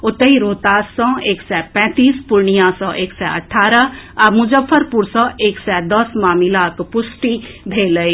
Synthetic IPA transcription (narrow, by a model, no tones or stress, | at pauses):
ʊt̪əɦiɾoːt̪aːsɔ̃eːksɛpɛ̃ːt̪iːspʊɾɳijãsɔ̃ʔeːksɛə̰ʈʰːaːɾəamʊd͡ʒəfʰːəɾpuɾsɔ̃eːksɛd̪əsmaːmilakpʊsʈib̪ʱeləi